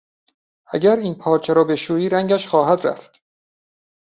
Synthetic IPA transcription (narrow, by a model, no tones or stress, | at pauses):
ʔæɟæɾiːnpʰɒːɾt͡ʃʰeɾɒːbe̞ʃuːiːɾæŋɟæʃxɒːɦæd̪ɾæ̰ft̪